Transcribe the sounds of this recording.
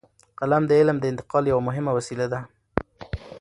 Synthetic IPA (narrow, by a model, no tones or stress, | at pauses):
qalamd̪əɪlmd̪əɪnt̪ɪ̥qɑljawamʊɦɪmawasilad̪a